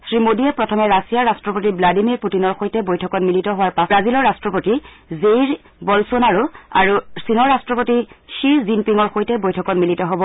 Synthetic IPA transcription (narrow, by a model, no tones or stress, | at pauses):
sɹimodiɛpɹɔtʰɔmɛɹasijaɹastɹɔpotibladimiɹputinɔɹxojtɛbojtʰɔkɔtmilitɔɦʊwaɹpabazilɔɹːastɹɔpoti | zejɹ | bɔlsonaɹua̰ɹusinɔɹːastɹɔpotiʃiɹzinpiŋɔɹxojtɛbojtʰɔkɔtmilitɔɦɔbɔ